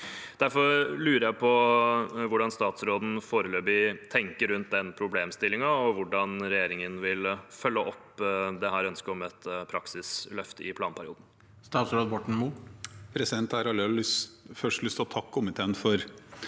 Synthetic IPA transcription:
d̪̥æɾfɔɾlʉːɾəɾjæɪpʰɔ | ʋʊɖɑnst̪ɑːt̪sɾoːd̪n̩foːɾəløːbɪt̪ʰɛŋkəɾʉnt̪̚d̪ɛnpʰɾʊbleːmst̪ɪlːɪŋɑɔʋʊɖɑnɾɛjeːɾɪŋənʋɪlfœlːəʔɔpd̪ɛɦæːɾœnskəɾɔmɛt̪pʰɾɑksɪslœft̪əɪpʰlɑːnpʰæɾɪuːd̪n̩ | st̪ɑːt̪sɾoːd̪bɔʈɳ̩mupʰɾɛsɪd̪ɛnt̪æɾɑləsfœʂʈlʏst̪ʰɔt̪ʰɑkːɔmət̪ʰɛːnfɔɾ

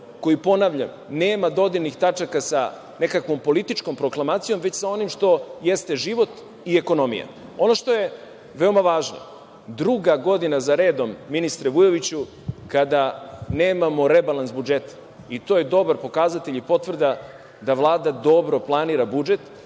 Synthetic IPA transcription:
ko̞jipo̞naʋʎa̰m | neːmad̪o̞d̪inixt̪at͡ʂakasa | ne̞kakʋo̞mpo̞lit̪it͡ʃko̞mpɾo̞klˠamaːt̪sijo̞mʋet͡ɕsao̞nimʃt̪o̞je̞st̪e̞ʒiʋo̞t̪ | ieko̞no̞mḭja̰ | o̞no̞ʃt̪oje̞ | ʋeomaʋaːʒno̰ | d̪ɾuɡaɡo̞d̪inazaɾe̞ːd̪o̞mːinist̪ɾeʋujoʋit͡ɕu | kad̪ane̞ːmamo̞ɾebalˠansbud͡ʒet̪ḁ | it̪o̞je̞d̪o̞baɾpo̞kaːzat̪e̞ʎipo̞t̪vr̩d̪a | d̪aʋlˠaːd̪ad̪o̞bɾo̞plˠaniːɾabud͡ʒe̞t̪

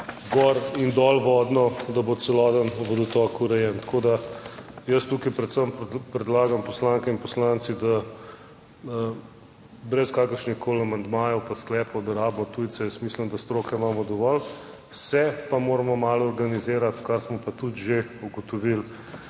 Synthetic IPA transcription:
ɡɔɾind̪ɔlʋɔd̪nɔd̪abot̪sɛlɔd̪ənʋəd̪ɔt̪ɔkuɾɛjɛnt̪kʰod̪ajəst̪uːkapɾɛt̪səmpɾɛd̪laːɡampɔslaŋkɛinpɔslant̪sid̪a | bɾɛskaːkəɾʃnixkolamand̪maːjɔwpasklɛːpɔwd̪ɐɾaːbmɔt̪ujt̪sɛjəsmiːsləmd̪ast̪ɾoːkɛmaːmɔd̪ɔʋɔl | wsɛpamoːɾamɔmaːlɔɾɡanizeːɾat̪kaɾsmɔpat̪ut̪ʒeuɡɔt̪ɔʋil

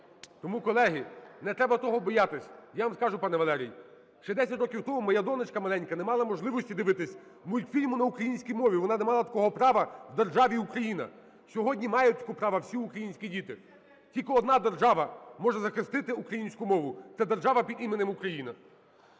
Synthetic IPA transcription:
t̪ɔmukɔlˠɛɦinɛt̪ɾɛbɐt̪ɔɦɔbɔjɑt̪ɪsʲɐjaʋamskɑʒʊpɑnɛʋɐlˠɛɾʲij | ʃt͡ʃɛd̪ɛsʲɐtʲɾɔkʲiwt̪ɔmumɐjad̪ɔnɪt͡ʃkɐmɐlˠɛnʲkɐnɛmɑlˠɐmɔʒlˠɪʋɔsʲtʲid̪ɪʋɪt̪ɪsʲ | mujʲkfʲilʲmʊnɐukɾɐjinʲsʲkʲijmɔʋʲiʋɔnɑnɛmɑlˠɐt̪ɐ̥kɔɦɔpɾɑʋɐwd̪erʒɑʋʲiukɾɐjinɐ̰ | sʲɔɦɔdʲnʲimɑjɛt̪ʲikɔpɾɑʋɐwsʲiukɾɐjinʲsʲkʲidʲit̪ɪ | tʲilʲkɔɔd̪nɑd̪erʒɑʋɐmɔʒɛzɐxɪst̪ɪt̪ɪukɾɐjinʲsʲkʊmɔʋʊt̪ɛd̪erʒɑʋɐpʲid̪imenemukɾɐjinɐ

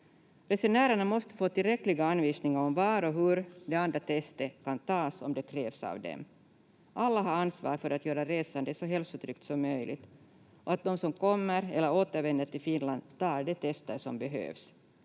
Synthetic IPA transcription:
ɾɛsɛɳæːɾaɳamɔst̪ə̥foːt̪ɪlɾɛkːlɪɡaanviːsnɪŋaɾɔmvɑɾɔɦɵɾd̪ɛand̪ɾat̪ʰɛst̪əkʰant̪ʰɑːsɔmd̪ɛkʰɾeːvsa̰vd̪ɛ̰m | ʔalːaɦaɾansvɑ̰ːɾfœɾat̪jœːɾaɾeːsand̪əsɔɦɛlfsʊt̪ʰɾʏk̚t̪sɔmːœjlʔɪ̰ɡt̪ | ʔɔat̪̚d̪ɔmsɔmkʰɔmːəɾɛlːəɾoːt̪əɾvɛnd̪əʈɪlfɪnland̪t̪ɑːɾɖɛt̪ʰɛst̪əɾʂɔmbɛɦø̰ːvs

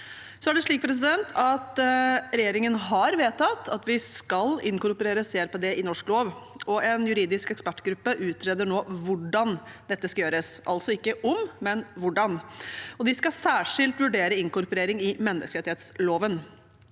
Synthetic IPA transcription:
sɔæɖɛʂɭiːk̚pʰɾɛs̬ɪd̪ɛnt̪ʰɑt̪ɾɛjeːɾɪŋənɦɑɾʋeːt̪ɑt̪ʰːɑt̪ʋɪskɑlɪŋkʊɾpɔɾeːɾəseːæɾpɛd̪eːʔɪnɔʂkloːʋɔʔɛnjʉɾiːd̪ɪskɛkspæʈːɡɾʉpːəʔʉːt̪ʰɾeːd̪əɳoːʋʊɖɑnd̪ɛt̪ːəskɑjøːɾəsʔɑ̰lsɔɪkːəʔɔmmɛnʋʊɖɑnɔd̪ɪskɑsæːʂɪlt̪ʋʉɖeːɾəɪŋkʊɾpɔɾeːɾɪŋɪmɛnːə̰skəɾɛt̪ɪeːt̪sloːʋən

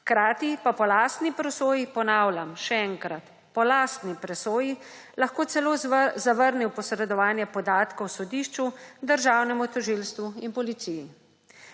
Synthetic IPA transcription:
xkɾaːt̪ipapɔlaːst̪nipɾɛsoːjipɔnaːwlʲamʃɛɛŋkɾat̪ | pɔlaːst̪nipɾɛsoːji | laxkoːt̪sɛloːzaʋəɾniwpɔsɾɛd̪ɔʋaːnjɛpɔd̪aːt̪kɔwsɔd̪iːʃt͡ʃud̪əɾʒaːwnɛmut̪ɔʒilst̪ʋuinpɔlit̪siji

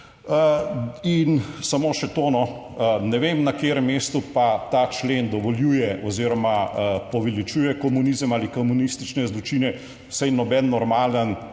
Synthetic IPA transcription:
əinsamoːʃɛt̪oːnɔ | nɛʋemnakeːɾəmːeːst̪upat̪at͡ʃlend̪ɔʋɔljuːjɛʔɔziːɾɔmapɔʋɛlit͡ʃuːjɛkɔmunizəmaːlikɔmunist̪it͡ʃnɛzlɔt͡ʃiːnɛ | wsɛjnɔbɛnːɔɾmaːlən

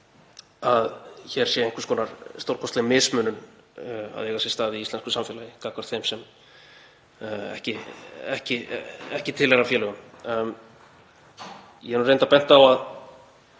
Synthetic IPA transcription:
aðçɛɾ̥sjɛeŋkɾ̥skɔːnaɾst̪owɾkʰɔst̪ɣɪmɪsmʏːnʏn | a̰ðjɛɣasjɛst̪aːðɪist̪lɛnskʏsamfɛːlajɪkaːkvaɾ̥t̪θejmsɛm | ɛ̰hcɪɛhcɪɛhcɪt̪ʰɪlɛɾafjɛːlɛɣʏm | jɛnuɾrejnt̪apɛn̥t̪aːwað

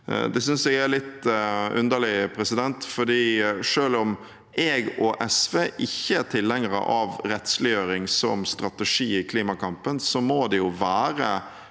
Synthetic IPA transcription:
d̪ɛsʏnsɛɡæɾlɪt̪ʉnd̪əɭɪpʰɾɛsɪd̪ɛnt̪fɔd̪iːʂøːlɔm | ʔɛɡɔʔɛsʋeːʔɪçːəæt̪ʰɪlhɛŋəɾə̰ʔɑʋɾɛt̪slɪjøːɾɪŋsɔ̰mst̪ɾɑt̪əʂiːɪkʰliːmɑkʰɑmpənsɔmoːd̪ɛjʊʋæːɾə

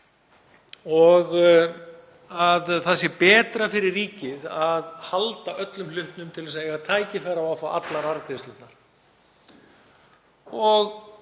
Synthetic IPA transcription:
ɔɣ | aðθasɛpɛːt̪ɾafɪɾɪrːiːcɪðaðhalt̪aʔœt̪lʏmlʏht̪nʏmt̪ʰɪlvɛsaðɛɣat̪ʰaːjcɪfaɾavawfaʔa̰t̪laɾaɾkɾɪst̪ɪt̪naɾ̥ | ɔɣ

